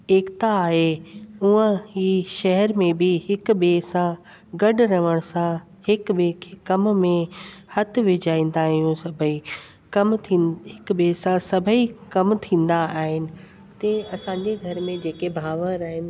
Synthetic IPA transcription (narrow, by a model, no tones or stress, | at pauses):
eːkt̪aːɦeuə̃iːʃɐɦɛɾmẽbɪɦɪk̆ɓeːsã | ɡɐɖʊɾɐʋəɽ̃sã | hɪkɓeːkʰekɐmmẽhɐt̪ʰʊ̆ʋɪd͡ʑaːĩːn̆d̪aɦijũsɐbʱəi | kɐmt̪ʰiɦɪk̆ɓeːsãsɐbʱəikɐmt̪ʰĩːnd̪aaːɦɪnɪ̆ | t̪eɐsãːɲd͡ʑeɡʱɐɾmẽd͡ʑeːkebʱaːʋəɾaːɦɪnɪ̆